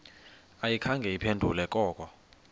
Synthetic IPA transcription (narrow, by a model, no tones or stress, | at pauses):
ajikʰaŋɡʱɛjipʰendʱṵlɛkʼɔːkʼɔ